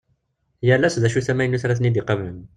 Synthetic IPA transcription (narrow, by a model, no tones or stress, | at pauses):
jælːæsðæʃusæmæjənːuθɾˤæθnid̪iqɑvləm